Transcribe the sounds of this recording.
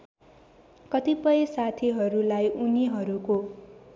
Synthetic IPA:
kʌt̪ipʌjesat̪ʰiɦʌɾulajʔuniɦʌɾuko

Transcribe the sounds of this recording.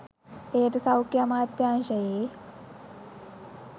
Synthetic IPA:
ejəʈəsɐwkjamaːt̪jaːnʃɐjeː

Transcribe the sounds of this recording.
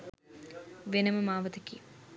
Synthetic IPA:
ʋenɐmɐmaːʋɐt̪ɐkːḭj

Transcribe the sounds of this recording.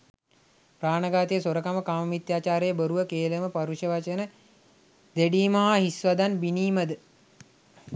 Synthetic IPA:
praːnəɡaːt̪ejəsoɾəkaməkaːmɐmit̪jaːt͡ʃaːɾejəbəɾuʋəkeːləməpaɾuʃjəʋat͡ʃənə | d̪eɖiːmɐɦaɦisʋad̪anbiniːməd̪ə

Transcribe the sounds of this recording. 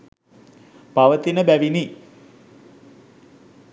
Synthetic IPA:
paʋət̪inəbæʋini

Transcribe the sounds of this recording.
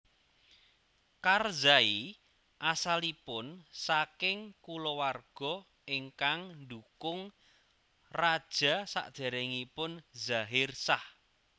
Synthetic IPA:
karzai | ʔasalipʊnsakɪŋkulɔwarɡ̥ɔ̤ | ɪŋkaŋnd̪ukʊŋ | rad̥ʒ̥a̤sa̰ʔd̪̥ɛ̤ɾɛŋipʊnzaɦɪrsah

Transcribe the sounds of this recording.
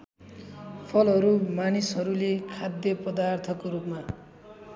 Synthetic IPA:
pʰʌlɦʌɾumanisɦʌɾulekʰad̪jʌpʌd̪art̪ʰʌkoɾupma

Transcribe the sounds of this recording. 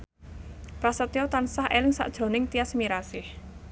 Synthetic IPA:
pɾasət̪ijot̪ansahʔelɪŋsa̰ʔd̥ʒ̥ɾo̤nɪŋt̪iasmiɾasɪh

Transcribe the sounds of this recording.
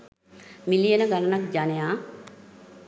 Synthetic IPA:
milijenəɡalənak̚d͡ʒanəjaː

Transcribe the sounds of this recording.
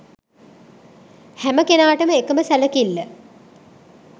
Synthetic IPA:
hæməkenaːʈəməekəməsæləkilːə

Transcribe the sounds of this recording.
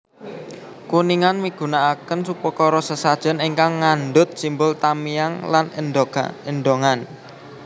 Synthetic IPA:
kuniŋanmiɡ̥ṳnaːkənsupɔkɔɾɔsəsad̥ʒ̥ə̤neŋkaŋːanɖʊt̪̚simbʊlt̪amijaŋlan | enɖoŋan

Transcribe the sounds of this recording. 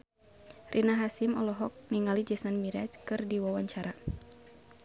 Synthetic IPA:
rʔinaɦasimɔlɔɦɔk̚niŋalid͡ʒɛsanmiɾat͡ʃkɨrdiwawaɲt͡ʃaɾa

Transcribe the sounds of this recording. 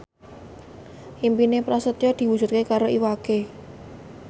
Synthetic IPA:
ʔimpinepɾasət̪jɔd̪̥i̤wud͡ʒ̥ʒ̥ṳt̪̚kekaɾoʔiwake

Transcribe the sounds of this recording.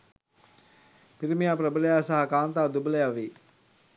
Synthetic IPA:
piɾimijaːprəbələjaːsaɦakaːnt̪aːd̪ubələjaʋi

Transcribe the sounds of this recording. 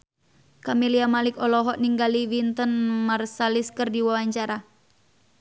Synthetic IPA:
kamiliamalɪkɔlɔɦɔʔniŋɡaliwint̪ənmarsaliskɨrdiwawaɲt͡ʃaɾa

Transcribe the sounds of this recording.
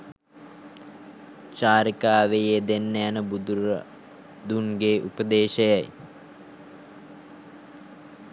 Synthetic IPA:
t͡ʃaːɾikaːʋejed̪enːəjanəbud̪uɾə | d̪unɡeːʔupəd̪eːʃəjaj

